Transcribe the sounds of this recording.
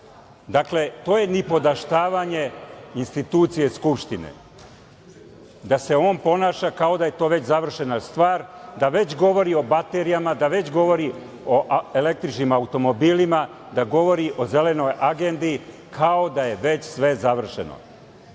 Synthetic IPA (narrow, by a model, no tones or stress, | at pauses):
d̪akle̞t̪o̞ːje̞nipo̞d̪aʃt̪aːʋaɲe̞inst̪it̪uːt̪sije̞skupʃt̪inḛ | d̪ase̞o̞ːnpo̞naːʃakao̞d̪aje̞t̪o̞ːʋe̞t͡ɕzaʋr̩ʃe̞nast̪ʋaːɾd̪aʋe̞t͡ɕɡo̞ʋo̞ɾio̞bat̪e̞ɾijamad̪aʋe̞t͡ɕɡo̞ʋo̞ɾi | o̞ʔe̞le̞k̚t̪ɾit͡ʃnimaut̪o̞mo̞biːlima | d̪aɡo̞ʋo̞ɾiʔo̞ze̞le̞no̞jʔaɡend̪i | kʰao̞d̪aje̞ʋe̞t͡ɕsʋe̞zaʋr̩ʃḛno̰